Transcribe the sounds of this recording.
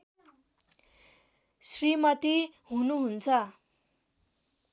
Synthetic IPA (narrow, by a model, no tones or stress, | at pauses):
srimʌt̪iɦunuɦunt͡sʰʌ